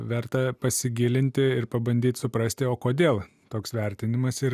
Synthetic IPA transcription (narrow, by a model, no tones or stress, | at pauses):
ʋʲɛɾt̪ɐpɐsʲɪɡʲɪːlʲɪnʲt̪ʲɪɪɾpɐbɐnʲd̪ʲiːt̪ʲsʊpɾɐsʲt̪ʲɪoːkoːd̪ʲeːlˠ | t̪oːksʋʲɛɾʲt̪ʲɪnʲɪmɐsɪɾ